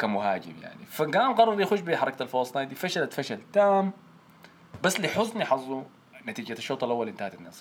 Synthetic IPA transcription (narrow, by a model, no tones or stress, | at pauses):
kamʊhaːd͡ʒɪ̰mja̰ʕnifaɡaːmɡɑrˤːɑɾˤjaxuʃbiħɑɾˤɑkat̪alfosˤnajd̪ifaʃalat̪faʃalt̪aːm | basːliħʊzˤniħɑzˤːu | nat̪iːd͡ʒat̪ʃːoːt̪ˤɑlʔawːalʔɪnt̪ahat̪anːaːs